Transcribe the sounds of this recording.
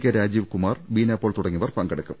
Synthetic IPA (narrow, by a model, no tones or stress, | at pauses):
kʲːɐɾaːd͡ʑiːʋkumaːrʋiːnaːpːoːɭt̪uɽɐŋːiʋɐrpɐŋɡɐɽɐkːum